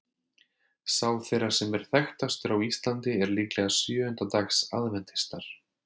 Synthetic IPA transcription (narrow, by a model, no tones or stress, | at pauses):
saːwθejrasɛmɛɾ̥θɛxt̪ast̪ʏɾawist̪lant̪ɪɛɾliːklɛɣasjœːʏnt̪at̪aksa̰ðvɛnt̪ɪ̥st̪aɾ̥